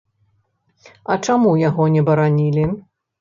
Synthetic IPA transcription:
ɐt͡ʂamujaɣɔnʲɛbɐɾanʲilʲi

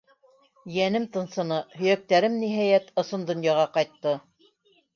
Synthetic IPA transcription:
jænɘmt̪ɤ̆nsɤ̆nɤhɵ̆jæk̚t̪æɾɘmniɦæjæt̪ŏsɤnd̪ŏnjɑʁɑqɑjt̪ːɤ

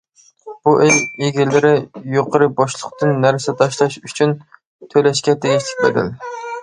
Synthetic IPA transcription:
b̥uʔelʲeɡʲɪlːɪɾɪjoqʰəɾɨbɑʃlˠəqt̪ɨnːæɾsɪt̪ʰɑʃlˠɑʃyt͡ʃʰyn | t̪ʰølɛʃkʲɛt̪eɡʲit͡ʃʰɪ̥kʲbḛd̪ɪ̰l

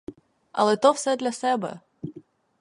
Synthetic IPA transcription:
ɐ̰lˠɛt̪ɔwsɛd̪lʲɐsɛbɛ̰

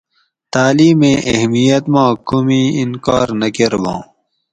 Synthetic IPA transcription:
t̪aːliːmẽːʔɐhmijɐt̪mãːkumiːinkaːɾnɐkeɾbõ̰ː

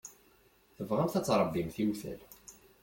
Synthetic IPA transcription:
θəvʁæmθæt͡sːɾˤəbːimθimθæ̰l

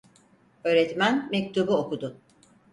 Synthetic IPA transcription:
ø̞ːɾɛt̪mænmɛc̚t̪ʰubuokud̪ʊ

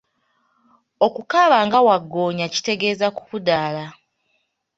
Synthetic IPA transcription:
o̞kukaβaːŋɡawaɡːo̞ːɲaci̥te̞ɡe̞ːzaku̥kudaːla

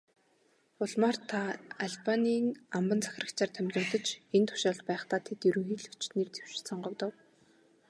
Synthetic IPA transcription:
pʊɮmaːrt̪ʰaaɮpaniːŋampə̆nt͡sʰḁx̆ʲrə̆kt͡ɕʰaːrt̪ʰæmʲt̪rʊːt̪ə̆t͡ɕɡent̪ʰʊ̥ʃaːɮt̪̚pæːχt̪aːt̪ʰet̪jɵɾɵ̆ŋxiːɮu̥t͡ɕt̪niːrt̪ʰe̥w̥ʃɪ̥̆sɔɴɢɞ̆kt̪ə̆w

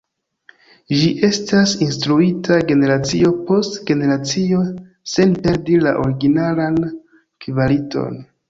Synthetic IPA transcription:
d͡ʒiʔe̞stasinstɾuitʰaɡe̞ne̞ɾat͡sio̞po̞stɡe̞ne̞ɾat͡sio̞ | se̞npe̞ɾdilaʔo̞ɾiɡinalan | kivalito̞̰n

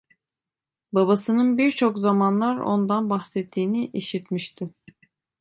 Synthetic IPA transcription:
babasɯnɯnbiɾt͡ʃʰokzamanlˠaɾo̞̰nd̪anbaxsɛt̪ʰːiːniʔiʃit̪miʃt̪ʰɪ

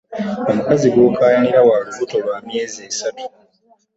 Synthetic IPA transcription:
omukaziɡwo̞kʰaːjaniɾawaːβuvuto̞βwaːmje̞ːzesatu̥

